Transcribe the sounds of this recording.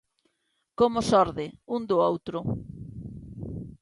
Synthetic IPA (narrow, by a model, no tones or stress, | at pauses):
komʊsɔɾðɪund̪ʊowt̪ɾʊ